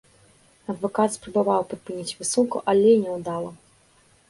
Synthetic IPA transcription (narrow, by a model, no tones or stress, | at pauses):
ɐd̪vɔkat̪spɾɐbavawpɾɨpɨnʲit͡sʲvɨsunkuʔalʲɛjnʲɛwd̪alˠɐ